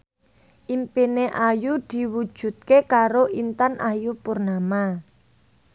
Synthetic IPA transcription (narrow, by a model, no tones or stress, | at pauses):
ʔimpineʔajud̪̥i̤wud̥ʒ̥ṳt̪̚kekaɾoʔint̪anʔajupurnama